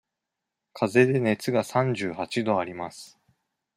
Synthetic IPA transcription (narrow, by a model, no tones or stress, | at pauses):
kʰaze̞d̪e̞ne̞t͡sɨɡasãɲ̟d͡ʑɨːhat͡ɕid̪o̞aɾʲimasɨ̥